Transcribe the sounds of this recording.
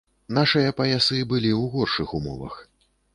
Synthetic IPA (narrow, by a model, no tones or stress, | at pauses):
naʂɨjɐpɐjasɨbɨlʲiwɣɔrʂɨxumɔ̰vɐ̰x